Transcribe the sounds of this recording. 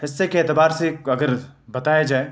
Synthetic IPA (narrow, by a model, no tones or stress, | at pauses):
hɪsːekeeːt̪əbaːɾseɐɡəɾbɐt̪aːjad͡ʒaːe